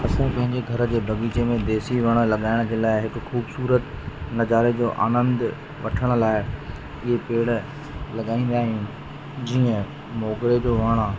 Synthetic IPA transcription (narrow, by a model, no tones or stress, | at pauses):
ɐsãpɐ̃ɦɪ̃ɲd͡ʑeɡʱɐɾ̆d͡ʑeːbʱɐɡiːt͡ɕemẽd̪eːsiʋɐɽ̃ə̆lɐɠaːɪɽ̃d͡ʑeːlaːɪɦɪkʊxuːbsuːɾət̪nɐzaːɾed͡ʑoːʔa̰ːnə̃nd̪ | ʋɐ̰ʈʰəɽ̃ʊ̆laːɪ | ɪɦepeːɽ | lɐɠaːĩːn̆d̪aːɦijũː | d͡ʑiːə̃ | mɔːɡɾed͡ʑoːʋɐɽ̃ə